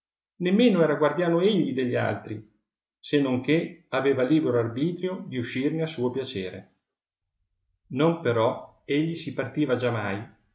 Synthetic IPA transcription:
nemːeːnoɛːɾaɡward̪jaːnoeʎːid̪eʎːia̰lt̪ɾi | senːoŋk̟eaveːvaliːbeɾoarbiːt̪ɾjod̪iuʃːirneasuːopjat͡ʃeːɾḛ | nompeɾɔ | eʎːisipart̪iːvad͡ʒamːaj

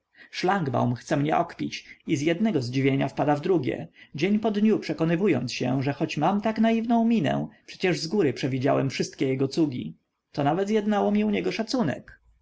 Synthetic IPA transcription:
ʂlaŋɡba̰wmxt̪sɛmɲɛʔɔkpʲit͡ɕizʲjɛd̪̚nɛɡɔzd͡ʑivʲjeɲafpad̪avd̪ɾuɡʲɛ̰d͡ʑeɲpɔd̪ɲupʂɛkɔnɘvujɔ̰nt̪sɕɛ̰ʐɛxɔt͡ɕmamt̪aknaivnɔ̃w̃mʲinɛ̰̃pʂɛ̥t͡ɕɛʐzɡuɾɘpʂɛvʲid͡ʑawɛmfʂɘst̪̚kʲɛjɛɡɔt̪suɡʲḭ | t̪ɔnavɛt̪zjɛd̪nawɔmʲiuɲɛɡɔʂat̪sunɛ̰k

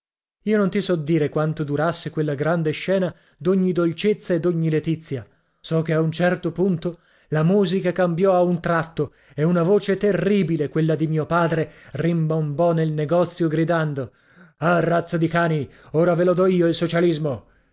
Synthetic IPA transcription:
iːonont̪isɔd̪ːiːɾekwant̪od̪uɾasːekwelːaɡɾand̪eʃːɛːna | d̪oɲːid̪olt͡ʃet̪sːaed̪oɲːilet̪it̪sːja | sɔk̟eaunt͡ʃɛrt̪opunt̪o | lamuːzikakambjɔaunt̪ɾat̪ːo | eunavoːt͡ʃet̪erːiːbilekwelːad̪imiːopaːd̪ɾerimbombɔnelneɡɔt̪sːjoɡɾid̪and̪o | arːat̪sːad̪ikaːnioːɾavelod̪ɔiːoilsot͡ʃalizmo

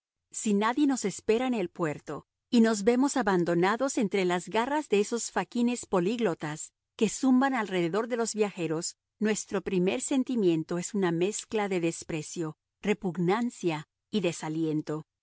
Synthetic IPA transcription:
sinaðje̞no̞se̞spe̞ɾaenelpwe̞ɾt̪o̞ | ino̞zβe̞mo̞saβand̪o̞naðo̞se̞nt̪ɾe̞lazɣarazðe̞eso̞sfakine̞spo̞liɣlo̞t̪as | ke̞sumbanalre̞ðe̞ðo̞ɾðe̞lo̞zβjaxe̞ɾo̞s | nwe̞st̪ɾo̞pɾime̞ɾse̞nt̪imje̞nt̪o̞esuname̞sklaðe̞ðe̞spɾe̞sjo̞ | re̞puɣnansja | iðe̞salje̞nt̪o̞

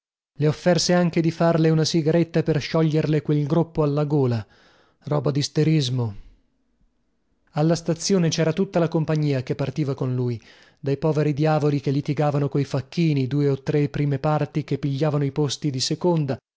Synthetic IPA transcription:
leofːɛrseaŋk̟ed̪ifarleunasiɡaɾet̪ːaperʃɔʎːerlekwelɡɾupːoalːaɡoːla | rɔ̰ːbad̪ist̪eɾizmo | alːast̪at̪sːjoːnet͡ʃɛːɾat̪ut̪ːalakompaɲːiːakepːart̪iːvakonluj | d̪ajpɔːveɾid̪jaːvolik̟elːit̪iɡaːvanokojfakːiːnid̪uːeot̪ːɾepːɾiːmepart̪ikepːiʎːaːvanoipost̪id̪isekond̪a

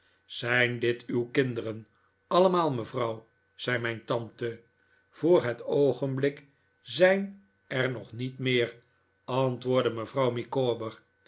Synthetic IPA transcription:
z̥ɛjndɪtywkɪndərən | ɑləmaːlˠməvrɑw | z̥ɛjmɛjntɑntə | v̥oːɹɦətowχənblɪk | zɛjn | ɛɹnɔχnitmɪːr | ɑntʋʊːɹdəməvrɑwmikoːbəɹ

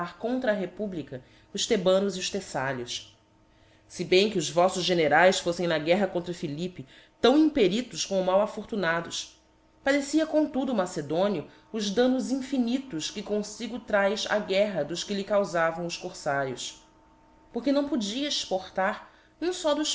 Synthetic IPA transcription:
aɾkõnt̪ɾɐːɦepublikɐ | ʊʃt̪ebɐ̃nʊziʊʃt̪esaʎʊs | sɪbẽj̃kɪʊzvɔsʊzʒeneɾajsfosẽj̃nɐɡɛɦɐkõt̪ɾɐfilipɪ | t̪ɐ̃w̃ĩmpeɾit̪ʊʃkõʊmawafoɾt̪unad̪ʊʃ | pad̪esiɐkõt̪ud̪ʊːmased̪õniʊ | ʊʒd̪ɐ̃nʊzĩfinit̪ʊʃkɪkõsiɡʊt̪ɾajza̰ɡɛɦɐd̪ʊʃkɪlɪkawzavɐ̃w̃ʊʃkoɾsaɾjʊs | poχkenɐ̃w̃pod͡ʒiɐeʃpoχt̪aɾ | nẽj̃sɔd̪ʊʃ

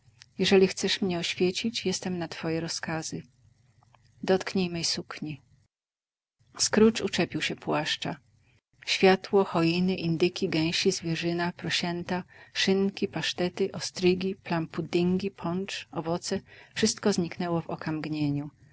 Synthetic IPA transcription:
jɛʐɛlʲixt̪sɛʂmɲɛɔɕfʲjet͡ɕit͡ɕjɛst̪ɛmnat̪fɔjɛɾɔskazɘ | d̪ɔt̪kɲejmɛjsukɲi | skɾut͡ʂut͡ʂɛpʲiwɕɛpwaʂt͡ʂa | ɕfʲjat̪wɔxɔjinɘʔind̪ɘkʲiɡɛ̃w̃ɕizvʲjɛʐɘnapɾɔɕɛnt̪aʂɘŋkʲipaʂt̪ɛt̪ɘʔɔst̪ɾɘɡʲiplampud̪iŋɡʲipʰɔnt͡ʂɔvɔt̪sɛfʂɘst̪kɔzɲiknɛwɔvɔkamɡɲeɲu

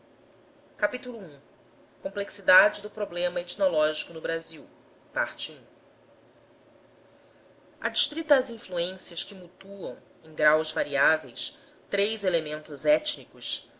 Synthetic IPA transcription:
kapit̪ulʊũ | kõmpleksid̪ad͡ʒɪd̪ʊpɾoblẽmɐet͡ʃ̪nolɔʒikʊnʊbɾaziw | paɾt͡ʃiũ | ɐd͡ʒiʃt̪ɾit̪ɐːzĩfluẽsiɐskɪmut̪uɐ̃w̃ | ẽj̃ɡɾawzvaɾiavejs | t̪ɾejzelemẽnt̪ʊzɛt͡ʃnikʊs

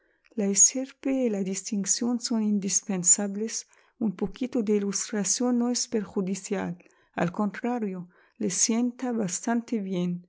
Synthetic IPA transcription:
laeseɾpeːlad̪ist̪iŋksjonsonind̪ispensaβles | umpokit̪od̪eilust̪ɾasjonːoespeɾxud̪isja̰l | a̰lkõnt̪ɾaɾjo | lesjent̪aβast̪ant̪eβjen

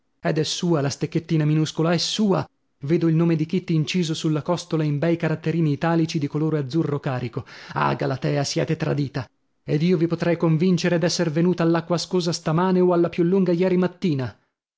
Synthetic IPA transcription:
ɛd̪ɛsːuːalast̪ekːet̪ːiːnaminuskolaɛsːuːa | veːd̪oilnoːmed̪ik̟it̪ːiːnt͡ʃiːzosulːakɔst̪olaimbɛjkaɾat̪ːeɾiːniːt̪aːlit͡ʃid̪ikoloːɾoad̪zːurːokaːɾikoa̰ːɡalat̪ɛːasjɛ̰ːt̪et̪ɾa̰d̪iːt̪a | ed̪iːovipot̪ɾɛjkoɱvint͡ʃeɾed̪ɛsːervenuːt̪aːlːakːwaskoːzast̪amaːneoalːapjulːuŋɡajɛːɾimat̪ːiːna

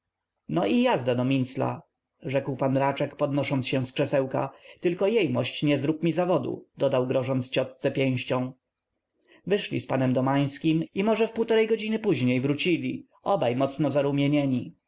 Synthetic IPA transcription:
nɔʔijazd̪ad̪ɔmʲint̪sla̰ | ʐɛkwpanɾat͡ʂɛkpɔd̪nɔʂɔnsɕɛ̃skʂɛsɛwka̰t̪ɘlkɔjɛjmɔɕt͡ɕɲɛzɾukmʲizavɔd̪ṵd̪ɔd̪awɡɾɔʐɔnt̪st͡ɕɔt̪st̪sɛpʲjẽw̃ɕt͡ɕɔ̃w̃ | vɘʂlʲḭspanɛmd̪ɔmaj̃skʲimimɔʐɛfpuwt̪ɔɾɛjɡɔd͡ʑinɘpuʑɲejvɾut͡ɕilʲi | ɔbajmɔt̪snɔzaɾumʲjeɲɛɲi

